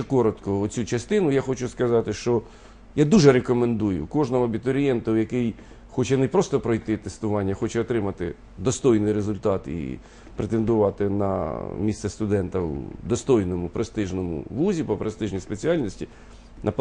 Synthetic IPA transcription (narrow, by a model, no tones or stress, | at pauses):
kɔɾɔt̪kɔɔt͡sʲut͡ʃɐst̪ɪnʊjaxɔt͡ʃʊskɐzɑt̪ɪʃt͡ʃɔ | jad̪uʒɛɾekɔmend̪ujʊ̰kɔʒnɔɦɔɐbʲit̪ɔɾʲijɛnt̪ɐwjɐkɪj | xɔt͡ʃɛnepɾɔst̪ɔpɾɔjt̪ɪt̪est̪ʊʋɑnʲːɐxɔt͡ʃɛɔt̪ɾɪmɐt̪ɪ̰ | d̪ɔst̪ɔjnɪjɾezʊlʲt̪ɑt̪ḭ | pɾet̪end̪ʊʋɑt̪ɪnɐ̰mʲissɛst̪ʊd̪ɛnt̪ɐwd̪ɔst̪ɔjnɔmʊpɾest̪ɪʒnɔmʊ̰ʋuzʲipɔpɾest̪ɪʒnʲispet͡sʲiɑlʲnʲɔsʲtʲi | nʔɐp